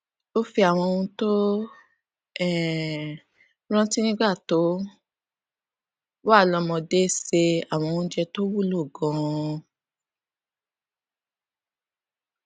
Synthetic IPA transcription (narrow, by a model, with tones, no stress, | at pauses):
o˦fi˧a˨w̃ɔ̃˧ũ˧to˦ | ɛ˦˨ | ɾ̃ɔ̃˦ti˦nĩ˦ɡ͡ba˦˨to˨˦ | wa˦˨lɔ̃˧mɔ̃˧de˦se˧a˨w̃ɔ̃˧ũ˧˦d͡ʒɛ˧to˦wu˦˨lo˦˨ɡɔ̃˨˧